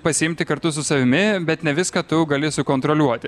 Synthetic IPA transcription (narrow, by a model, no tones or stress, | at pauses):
pɐsʲɪɪmʲt̪ʲɪkɐɾt̪ʊsʊsɐʋʲɪmʲɪbʲɛt̪nʲɛʋʲɪskɐt̪ʊɡɐlʲɪsʊkoːnt̪ɾolʲuɔt̪ʲɪ